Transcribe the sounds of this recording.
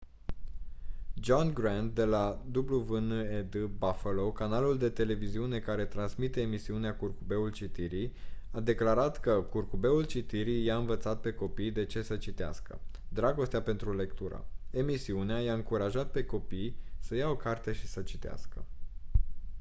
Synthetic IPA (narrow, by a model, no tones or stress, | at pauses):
d͡ʒonɡɾant̪̚d̪e̞lad̪ubluvɨned̪ɨbafəlokanaluld̪e̞t̪e̞le̞viziune̞kaɾe̞t̪ɾansmit̪e̞ːmisiuneakurkube̞ult͡ʃit̪iɾijad̪e̞klaɾat̪kəkurkube̞ult͡ʃit̪iɾijaɨnvət̪sat̪̚pe̞ko̞pijd̪e̞t͡ʃe̞sət͡ʃit̪ea̰skə̰d̪ɾaɡo̞st̪eape̞nt̪ɾule̞kt̪uɾə̰e̞misiuneajaɨŋkuɾaʒat̪̚pe̞ko̞pijsəjao̞kart̪e̞ʃi̥sət͡ʃit̪ea̰skə